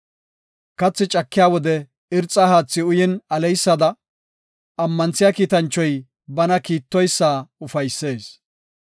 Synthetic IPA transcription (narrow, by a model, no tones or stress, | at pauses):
kɐt͡sːɪt͡ʃʼɐkːɪjaːwɔd̪ɛ | ɪɾt͡sʼːaːhaːt͡sːɪʊjɛnɐlɛjsːɐd̪ɐ | ɐmːɐnt͡sːɪjaːkiːt̪ɐnt͡ʃːɔj | bɐnɐkiːt̪ːɔjsːaːʊfɐjsːe̞ːs